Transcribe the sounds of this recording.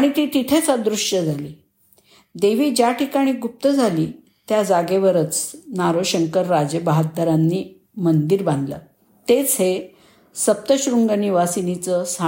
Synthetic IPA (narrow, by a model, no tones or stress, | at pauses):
aɽ̃it̪iːʈ̪it̪ʰet͡sad̪ɾuʂəd͡zʱaliː | d̪eʋiːd͡ʑjaʈikaɽ̃iːɡup̚t̪əd͡zʱaliː | t̪jad͡zaɡeʋəɾət͡snaɾoɕəŋkəɾːad͡zebaɦat̪̚d̪əɾanːiː | mənd̪iɾbãnd̪lə̰ | t̪et͡sɦe | səp̚t̪əɕɾuŋɡəniʋasinit͡səsa